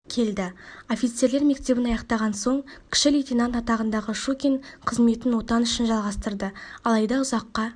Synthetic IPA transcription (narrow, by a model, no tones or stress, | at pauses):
kʲʰe̞ld̪ɪo̞fijt̪se̞ɾleɾme̞k̚t̪e̞bɪnɑjɑqt̪ɑʁɑnso̞ɴkʲʰɪ̥ʃɪlʲit̪ʲinant̪ɑt̪ɑʁənd̪ɑʁəʃokʲeɴqʰəzme̞t̪ɪnwo̞t̪ɑnʏʃɪnʒɑlˠʁɑst̪əɾd̪əɑlˠɑjd̪ɑʊzɑqːɑ